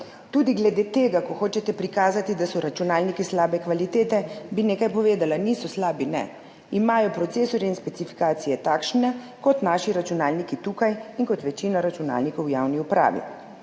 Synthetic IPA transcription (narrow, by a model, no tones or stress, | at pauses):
t̪uːd̪iɡlɛd̪eːt̪eːɡakɔxoːt͡ʃɛt̪ɛpɾikaːzat̪id̪asɔɾat͡ʃunaːlnikislaːbɛkʋalit̪eːt̪ɛbineːkajpɔʋeːd̪alaniːsɔslaːbinɛ̰ | imaːjɔpɾɔt̪seːsɔɾjɛinspɛsifi̥kaːt̪sijɛt̪aːkʃnɛ | kɔt̪naːʃiɾat͡ʃunaːlnikit̪uːkajinkɔt̪ʋɛt͡ʃiːnaɾat͡ʃuna̰ːlnikɔwjawniupɾa̰ːʋḭ